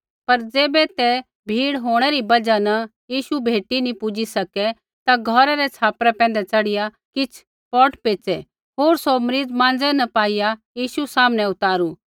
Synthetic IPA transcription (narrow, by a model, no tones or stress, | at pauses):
pɐɾd͡zeːbɛt̪ɛ | bʱiːɽɦoːɽ̃ɛɾibɐd͡ʒanɐ | jiːʃubʱeːʈinĩpʊd͡ʒisɐkɛ | t̪aɡʱɔːɾaɾɛt͡sʰaːpɾɛpɛ̃ːn̆d̪ɛt͡sɐɽɪja | kɪt͡sʰ | pɔːʈpeːt͡sɛ | ɦoːɾsomɾiːd͡zmãːnd͡zɛnɐpaːijajiːʃusaːmnɛ̃ʊt̪aːɾu